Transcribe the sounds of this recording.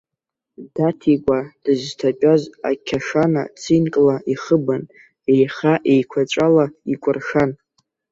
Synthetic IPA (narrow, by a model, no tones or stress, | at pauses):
datʰikʷʼad̥ɨztʰapʼaza̰kʲʰaʂana̰t͡sʰinkʼlaʔiχəban | ejχaʔejkʷʰat͡ʃʷʼalaikʷʼʊrʂan